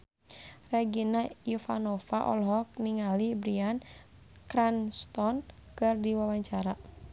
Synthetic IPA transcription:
rɛɡinaufa̰nɔfaʔɔ̰lɦɔk̚niŋalibɾian | kɾanst̪ɔnkɨrdiwawaɲt͡ʃaɾa

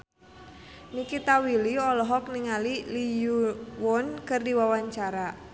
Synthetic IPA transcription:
nikit̪awiliɔlɔɦɔk̚niŋalilijuwɔnkɨrdiwawaɲt͡ʃaɾa

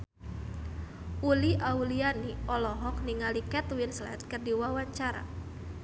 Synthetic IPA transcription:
ʔuliʔaulianiʔɔlɔɦɔk̚niŋalikɛt̪winslɛ̰t̪̚kərdiwawaɲt͡ʃaɾa̰

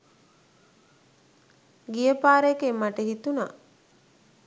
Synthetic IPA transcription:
ɡijəpaːɾekemːaʈəɦit̪una

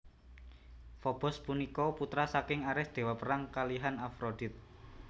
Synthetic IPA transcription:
fɔb̥ɔ̤spunikɔput̪ɾasakɪŋaɾɪsd̪̥e̤wapəɾaŋkaliɦanafɾod̪̥i̤t̪̚

